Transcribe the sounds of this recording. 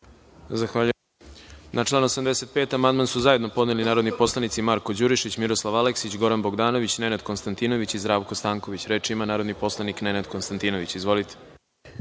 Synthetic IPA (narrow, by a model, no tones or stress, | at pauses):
zaxʋaʎu | nʔat͡ʃlˠaːnosamd̪e̞set̪̚pe̞ːt̪amand̪mansuzaje̞d̪nopo̞d̪nelinaːɾod̪nipo̞slˠanit̪simaɾko̞d͡ʑuɾiʃit͡ɕmiɾo̞slˠaʋaleksit͡ɕɡo̞ɾanbo̞ɡd̪aːno̞ʋit͡ɕne̞nad̪ko̞nst̪ant̪ino̞ʋit͡ɕizd̪ɾaːʋko̞st̪aːŋko̞ʋit͡ɕɾe̞ːt͡ʃiimanaːɾo̞d̪nipo̞slˠaniknenad̪konst̪ant̪iːno̞ʋit͡ɕizʋo̞lit̪e̥